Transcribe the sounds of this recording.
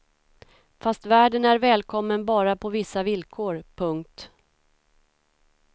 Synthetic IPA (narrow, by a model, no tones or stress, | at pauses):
fast̪væːɖənæɾvɛːlkʰɔmːənbɑːɾapʰɔvɪsːavɪlkʰoːɾpʰɵŋk̚t̪